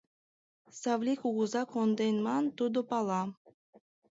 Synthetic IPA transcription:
sɑvlʲikuɣuzɑkond̪ejnmɑnt̪ud̪ʊpɑlˠɑ

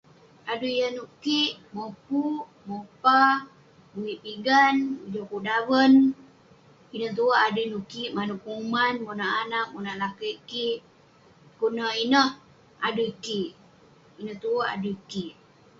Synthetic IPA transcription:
adujjənuʔkiʔmopuʔ | mopa | buwiʔpiɡanud͡ʒokuʔdawən | inəht̪uəʔadujnukiʔmanuʔkumanmonaʔanak̚munaʔlakəikiʔ | kunəinəh | a̰duikiʔ | inəht̪uəʔa̰duikiʔ

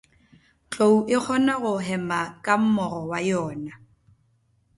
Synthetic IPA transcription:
t͡ɬʼouʔɪk͡xʰɔnaɣʊɦɛmakʼam̩mɔrɔwajɔːna

